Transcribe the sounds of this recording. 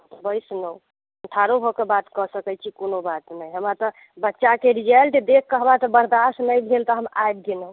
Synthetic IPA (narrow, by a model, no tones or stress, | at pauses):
bəjsnəu | əʈʰaɾoɦokebat̪kɔsəkət͡ʃʰikonobat̪nəjɦəmat̪ɔ | bətːʃakeɾid͡ʒelʈd̪ekʰkəɦəmɾat̪ɔbəɾd̪asnəjbʱelt̪ɔɦəma̰jb̚ɡenə